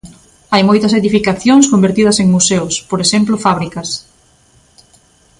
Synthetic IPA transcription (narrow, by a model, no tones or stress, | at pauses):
ajmojt̪ɐseðifikaθjoŋskombeɾt̪ið̞ɐseŋmusewspoɾeʃemplʊfaβɾikɐs